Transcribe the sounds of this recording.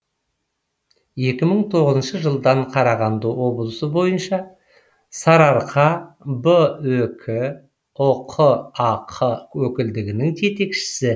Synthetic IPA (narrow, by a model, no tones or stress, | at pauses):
je̞kʲɪməɴt̪ʰo̞ʁəzənʃəʒəlˠd̪ɑɴqʰɑɾɑʁɑnd̪əwo̞blˠəsəbo̞jənʃɑ | sɑɾɑɾqʰɑbəɵkʲʰɪ | oqʰəɑqʰəwɵkʲɪld̪ɪɡʲɪnɪŋt̪ʰe̞t̪e̞kʃɪ̥sɪ